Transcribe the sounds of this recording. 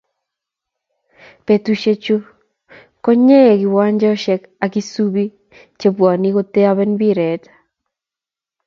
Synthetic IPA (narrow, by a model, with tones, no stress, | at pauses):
pe˨tu˨ʃe˦t͡ʃo˦ | kɔ˦ɲɛ˦˨ɡɪ˨wa˦ɲd͡ʒɛ˦ɔ˦ʃɛ˦k | a˨ki˦su˦bi˦ | t͡ʃe˦bwɔ˨ni˦ko˦t̪e˦a˦βɛ˦nbi˦ɾɛ˨tḁ